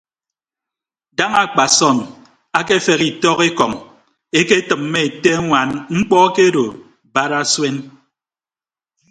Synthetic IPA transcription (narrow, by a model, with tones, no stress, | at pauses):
da˦ŋa˨k͡pa˨sɔ˦˨n | a˦ke˦fe˨ɣi˨tɔ˦ke˦kɔ˨ŋ | e˦ke˦tɨ˨mːe˦e˨te˦ŋʷa˨nŋ͡m̩˦k͡pɔ˦ke˦ɾo˨ | ba˦ɾa˦swe˦n